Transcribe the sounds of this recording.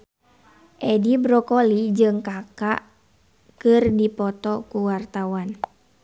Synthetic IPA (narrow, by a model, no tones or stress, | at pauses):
ʔɛdibɾɔkɔlid͡ʒɨŋkakaʔ | kɨrdipɔt̪ɔkuwart̪awan